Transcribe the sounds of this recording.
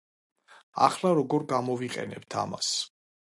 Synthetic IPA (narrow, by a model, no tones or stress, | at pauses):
a̰χlˠaɾɔɡɔɾɡamɔviqʼɛ̰nɛb̥t̪ʰama̰s